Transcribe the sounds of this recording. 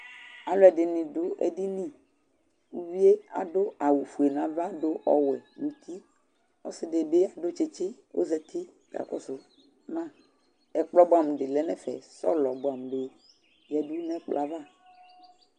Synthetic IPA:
a˨lo˦ɛ˨dɪ˨nĩ˨ɖo˦ʔḛ˨di˦nĩ˦ | wu˦wi˦e˦a̰˨do˦a˨wu˨fu˨e˨nã˨va˦do˦ʔɔ˦wɛ˨nu˨t̪ʰi˦ | o̰˦sɪ˦de˨be˦a˨ɖo˦t͡ʃi˦t͡ʃi˦wo̰˦zɛ˦t̪ʰi˦ | ɡa̰˨kɔ̰˦so˦ | mã˦˨ | ɛ˨k͡plɔ˦bo˦a˨m˨ɖɪ˨lɛ˨˦nɛ̃˦fɛ̰˨sɔ̰˦lɔ˨bo˨a˨m˨ɖe˦ | jɛ˨du˦nɛ̃˦k͡pla˨va˦

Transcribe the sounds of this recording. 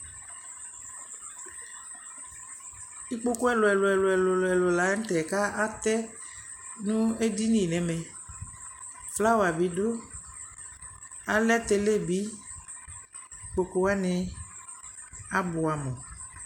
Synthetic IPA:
i˦k͡po˦ko˦ɛ˦lo˨ɛ˨lo˨ɛ˨lo˨ɛ˨lo˨lɛ˨lo˨la˨˦ŋ̩˦t̪ɛ˨ka˦ʔa˦t̪ɛ˦ | nũ˦e˦di˦nĩ˦˨nɛ̃˨mɛ̃˨ | fla˦wo˨a˨bi˨ɖo˦ | a˦lɛ˦t̪e˨le˦˨bi˦ | k͡po˨ko˦wa˦nɛ̃˨ | a˦bo˨a˨mɔ̃˨

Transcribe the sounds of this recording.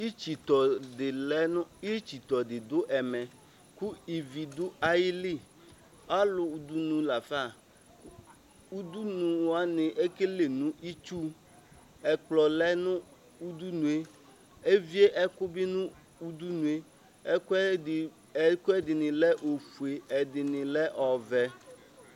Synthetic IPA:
i˦t͡ʃi˨t̪ɔ˨dɪ˨lɛ˦nʊ̃˦i˦t͡ʃi˨t̪ɔ˨dɪ˨d̪ʊ˦ʔɛ˨mɛ̃˨ | ku˦i˨vi˨d̪ʊ˦a˨ji˦li˦˨ | a˦lʊ˨u˨d̪u˦nũ˨la˨fa˦˨˦ | u˦d̪u˦nũ˨wa˨nɪ̃˨ʔe˦ke˦le˨nũ˦ʔi˦t͡ʃu˦ | ɛ˨k͡plɔ˨lɛ˦nʊ̃˦ | u˦d̪u˦nũ˨e˦ | e˦vi˦e˦ʔɛ˦kʊ˦bɪ˦nʊ̃˦ | u˦d̪u˦nũ˨e˦˨˦ | kʊ˦ɛ˦dɪ˨nɪ̃˨lɛ˦ʔo˨fu˨e˨ɛ˨dɪ˨nɪ̃˨lɛ˦ʔɔ˨vɛ˨

